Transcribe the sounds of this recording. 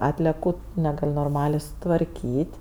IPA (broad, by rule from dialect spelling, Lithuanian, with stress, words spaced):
ˈɑːtʲlʲɛkʊ nʲɛˈɡɐlʲ noːrˈmɑːlʲeː sʊtʋɐrʲˈkʲiːtʲ